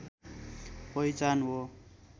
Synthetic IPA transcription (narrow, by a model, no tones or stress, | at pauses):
pʌjt͡sanwo